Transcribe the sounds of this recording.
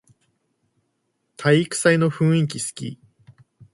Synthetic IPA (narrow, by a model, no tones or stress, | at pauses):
t̪ʰaiikɯ̥saino̞ɸɯ̟̃ɰ̃ĩk̬ʲisɨ̥kʲḭ